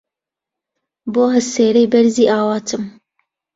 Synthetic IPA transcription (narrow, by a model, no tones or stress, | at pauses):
boːɦɐseːɾɛjbɛɾziːʔaːwɑːt̪ʰɨm